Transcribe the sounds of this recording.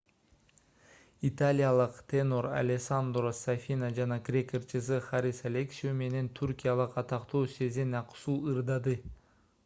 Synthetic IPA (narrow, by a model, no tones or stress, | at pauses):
it̪alʲijalˠɯqt̪ʲʰenoɾa̰lʲesand̪rosafʲinad͡ʒɑnɑkrʲekʲert͡ʃɯsɨχaɾʲisalʲeksʲume̞ne̞nt̪ʰyɾʲkʲijalˠɯqɑt̪ɑqt̪oːse̞zenɑqsuːɯɾd̪ɑd̪ɯ